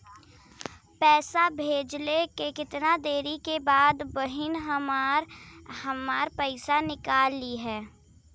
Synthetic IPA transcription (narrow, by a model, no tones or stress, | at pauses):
pɛːsabʱeːd͡ʒlekekɪt̪nad̪eːɾikebaːd̪bəɦɪnɦəmɾhɐmaːɾpəɪsanɪkaːlːiɦɛː